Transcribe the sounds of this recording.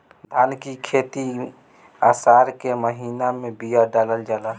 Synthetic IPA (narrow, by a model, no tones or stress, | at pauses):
d̪ʱaːnkikʰet̪i | asaɾkeməɦiːnamẽbijaɖaləld͡ʒala